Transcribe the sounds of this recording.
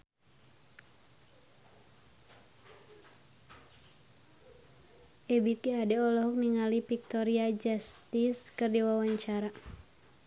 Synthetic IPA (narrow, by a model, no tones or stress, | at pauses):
ʔɛbik̪iadɛɔlɔɦɔk̚niŋalipik̚t̪ɔɾiad͡ʒast̪iskɨrdiwawaɲt͡ʃaɾa